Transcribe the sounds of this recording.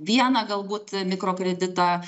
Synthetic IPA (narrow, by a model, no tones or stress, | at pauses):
ʋʲiɛnɐɡɐlˠbuːt̪mʲɪkɾoːkɾʲɛd̪ʲɪt̪ɑː